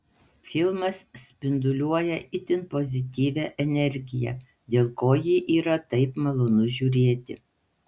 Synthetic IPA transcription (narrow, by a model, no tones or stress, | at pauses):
fʲɪlˠmɐssʲpʲɪnd̪ʊlʲuɔjɛʔɪt̪ʲɪnpɔzʲɪt̪ʲiːʋʲæːʔɛnʲɛɾʲɡʲɪjɛ̰ | d̪ʲeːlˠkoːjiʔiːɾɐt̪ɐɪpmɐlˠoːnʊʒʲuːɾʲeːt̪ʲɪ